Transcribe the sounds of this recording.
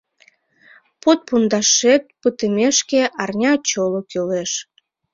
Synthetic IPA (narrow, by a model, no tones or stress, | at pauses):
pot̪̚pund̪ɑʃet̪̚pət̪əmeʃkeʔɑrnʲɑt͡ɕolokyleʃ